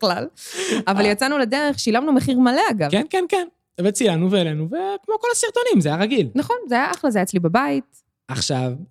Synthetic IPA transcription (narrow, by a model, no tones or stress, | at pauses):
lalavaljat͡sanuled̪eʁeχʃilamnumeχiʁmale̞aɡavkenkenken | vet͡silanuveːlenuvekmo̞ko̞lasiʁt̪o̞nimzeajaʁaɡilnaχo̞nzeajaʔaχlazejat͡slibabait̪̚ | aχʃav